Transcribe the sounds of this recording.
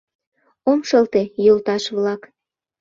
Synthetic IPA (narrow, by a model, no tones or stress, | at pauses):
omʃəlt̪ejolt̪ɑʃβlɑk